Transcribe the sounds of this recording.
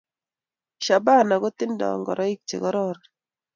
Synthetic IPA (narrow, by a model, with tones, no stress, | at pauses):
ʃa˨ba˦˨na˨ɡɔ˦t̪ɪ˦ndɔ̰˨ŋɡɔ̰˨ɾʔɔ˦i˦k̚t͡ʃḛ˨ɡɔ˦ɾɔ˦ɾ